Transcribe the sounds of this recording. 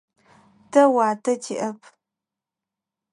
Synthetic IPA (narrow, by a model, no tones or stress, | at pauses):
tʰɐwaːtʰɐtʰiʔɐpʰ